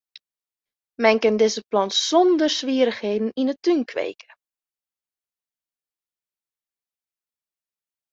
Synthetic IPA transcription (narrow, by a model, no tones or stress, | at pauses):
mɛnkɪndɪzəplɑntsɔndərsʋiəɾəxhejdn̩inətynkʰʋḛːkʰə̥